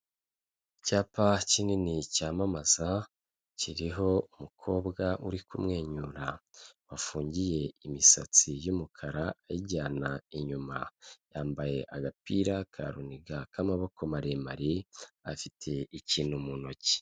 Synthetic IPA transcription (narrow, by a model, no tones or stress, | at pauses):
caːpacininicaːmamaza | ciɾiɦo̞umukʰo̞ːbɡaʔṵɾikumŋe̞ːɲuːɾawafuːɲɟije̞imisat͡sijumukʰaɾaːjiɟaːnaiɲuma̰jaːmbaje̞ʔaɡapiɾakʰa̰ɾuniɡakamaβo̞ko̞maɾemaɾiafitʰe̞iciːnhumuno̞ci̥